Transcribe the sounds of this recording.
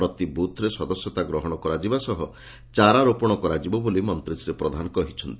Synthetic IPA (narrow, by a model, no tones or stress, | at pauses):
ɾɔt̪ibut̪ʰɾesɔd̪ɔsjɔt̪aɡɾɔɦɔɽ̃ɔkɔɾad͡ʒibasɔɦɔ | t͡ʃaɾaɾopɔɽ̃ɔkɔɾad͡ʒibɔbolimɔnt̪ɾisɾepɾɔd̪ʱanɔkɔɦit͡ʃʰɔnt̪i